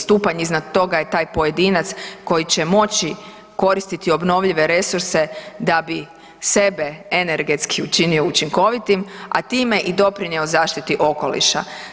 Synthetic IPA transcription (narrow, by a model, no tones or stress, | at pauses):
st̪uːpaɲiznad̪̚t̪o̞ɡaje̞t̪aːjpo̞je̞d̪iːnat̪sko̞jit͡ɕe̞mo̞t͡ɕi | ko̞ɾist̪it̪io̞bno̞ʋʎiʋe̞ɾe̞suɾse̞d̪abi | se̞beene̞ɾɡet̪skʰiut͡ʃinio̞ut͡ʃiŋko̞ʋit̪ima̰t̪iːme̞ʔid̪o̞pɾinjeozaːʃt̪it̪iʔo̞ko̞̰lḭʃa̰